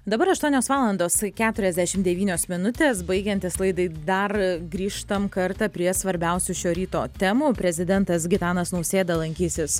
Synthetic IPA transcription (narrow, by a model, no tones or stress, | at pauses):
d̪ɐbɐɾɐʃt̪uɔnʲoːsʋɑːlˠɐnd̪oːskʲæːt̪ʊɾʲɛzd̪ʲæʃʲɪmd̪ʲɛʋʲiːnʲoːsmʲɪnʊt̪ʲeːsbɐɪɡʲɛnʲt̪ʲɪslˠɐɪd̪ɐɪd̪ɐrɡɾʲiːʃt̪ɐmkɐɾt̪ɑpʲɾʲiɛsʋɐɾʲbʲɛʊsʲʊʃʲoːɾʲiːt̪oːt̪ʲɛmuːpʲɾʲɛzʲɪd̪ʲɛnt̪ɐs̬ɡʲɪt̪ɑːnɐsnɐʊsʲeːd̪ɐlˠɐŋʲkʲiːsʲɪs